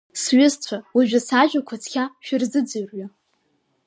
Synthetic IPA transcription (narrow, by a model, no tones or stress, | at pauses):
sɥʊzt͡ɕʷʰawaʒᶣɪsaʒᶣakʷʰat͡sʰkʲʰaʃᶣʊrzɨd͡zɨɥrɥa